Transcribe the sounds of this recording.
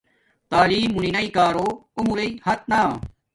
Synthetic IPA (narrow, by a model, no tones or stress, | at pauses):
t̪aːliːmːuninɐikaːɾoːumuɾeihɐt̪̚naː